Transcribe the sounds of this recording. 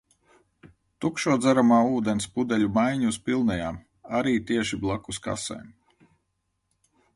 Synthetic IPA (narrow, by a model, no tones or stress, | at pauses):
t̪ukʃuɔd̪zæɾamaːuːd̪ɛnspud̪ɛlʲumajɲuspilˠnɛjaːm | aɾiːt̪iɛʃiblˠakuska̰sɛ̰jm